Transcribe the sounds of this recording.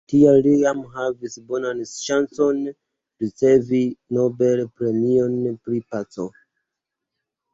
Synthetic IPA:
tialːiamɦavisbonanʃanso̞n | ɾut͡se̞vinobelpɾe̞mionpɾipat͡so̰

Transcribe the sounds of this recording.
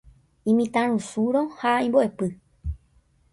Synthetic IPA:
ĩmĩt̪ãɾũsuɾõhaĩmboʔe̞pɨ

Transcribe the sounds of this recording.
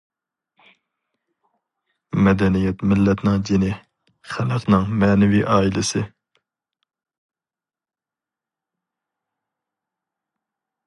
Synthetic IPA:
mɛd̪ɛnijɛt̪mɪlːɛt̪nɨŋd͡ʒenɪ | χæləqʰnɨŋmɛːnɪviʔɑːilɪsɪ

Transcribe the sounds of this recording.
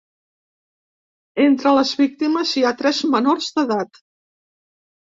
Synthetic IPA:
ent̪ɾələzβik̚t̪iməziat̪ɾɛzmənorzðəðat̪

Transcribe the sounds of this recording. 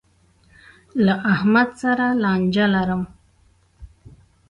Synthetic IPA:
laʔahmad̪saɾalɑnd͡ʒalaɾəm

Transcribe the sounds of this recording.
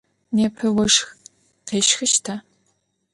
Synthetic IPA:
neːpʰɨwɐʂx | qeːʃxɨʃtʰɐ

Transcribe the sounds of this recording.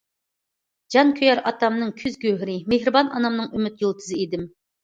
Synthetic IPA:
d͡ʒɑŋkʲʰøjɑɾɑt̪ɑmnɨŋkʲʰyzɡʲøɦɾɪmeɦɾɨbɑnɑnɑmnɨŋymyt̪jolˠt̪ʰɨzɨid̪ɪm

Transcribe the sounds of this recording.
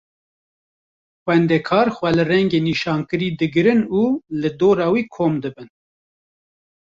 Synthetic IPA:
xwɛnd̪ɛkʰɑːɾxwɛlɨrɛŋɡeːniːʃɑːnkɨɾiːd̪ɨɡɨɾɨnuːlɨd̪oːɾɑːwiːkʰoːmd̪ɨbɨn

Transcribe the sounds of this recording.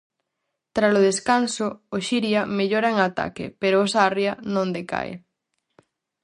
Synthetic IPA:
t̪ɾasoð̞eskansʊoʃiɾjameʎoɾaeŋat̪a̰kɪ̰peɾoːsarjɐnõnd̪eka̰ḛ

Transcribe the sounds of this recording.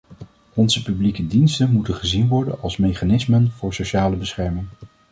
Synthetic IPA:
ɔnzəpyblikədinstənmutənχəzinʋɔɹdə̰nɑlˠsmejχaːnɪsmənv̥ʊːɹsoʃaːləbəsχɛɹmɪŋ

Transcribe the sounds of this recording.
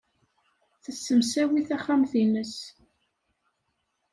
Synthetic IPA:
θəsːəmsæwiθæχamθinəs

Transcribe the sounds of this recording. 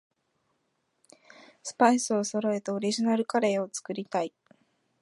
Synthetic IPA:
sɨ̥paisɨo̞so̞ɾo̞e̞t̪eo̞ɾʲiʑinaɾɯ̟kaɾe̞ːo̞t͡sɨ̥kɯ̟ɾʲit̪ai

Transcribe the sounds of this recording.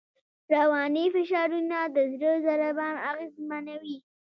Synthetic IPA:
ɾawɑnifɪʃɑɾunad̪əzɾəzaɾabɑnaɣezmanawi

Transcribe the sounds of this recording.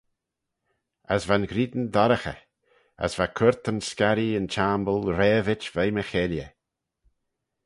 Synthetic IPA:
əsvanɡɾiːd̪ən̩d̪ɔɾəxə̰ | ə̰svakʰʊɾt̪ənskaɾiənt͡ʃaːmbəlˠɾeːvɪt͡ʃvejməxeljə

